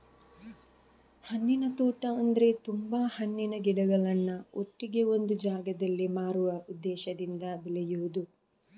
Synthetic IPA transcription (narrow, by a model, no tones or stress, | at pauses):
hɐnːinɐt̪uːʈɐɐnd̪ɐɾe̞t̪umbaːhɐnːinɐɡiɽɐɡɐɭɐnːuoʈːiɡe̞o̞nd̪ud͡ʒaːɡɐd̪ɐlːimaːɾuʋɐud̪ːɛːʃɐd̪ind̪ɐbilɛjuʋud̪u